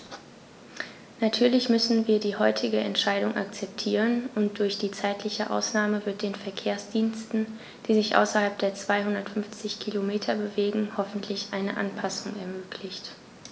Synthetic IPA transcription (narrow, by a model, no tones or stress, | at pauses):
natʰyːɐlɪçmʏsn̩viːɐdiːhɔʏtʰɪɡəʔɛ̰ntʃaɪɾʊŋʔa̰kt͡sɛp̚tʰiːʁənʔʊnt̚d̥ʊɐçd̥iːt͡saɪtlɪçəʔa̰ʊsnaːməvɪɐt̚d̥eːnfɛɐkʰeːɐsd̥iːnstn̩ | d̥iːzɪçʔa̰ʊsɐhalp̚d̥eːɐt͡sv̥aɪhʊndɐtfʏnft͡sɪçkʰilomeːtʰɐbəveːɡŋ̩hɔfn̩tʰlɪçʔaɪnəʔa̰npʰasʊŋɛɐmøːkʰlɪçt